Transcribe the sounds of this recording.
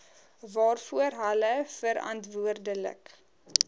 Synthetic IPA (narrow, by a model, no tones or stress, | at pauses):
vɑːrfuərɦələfəɾɐ̰ntvuərdələ̰k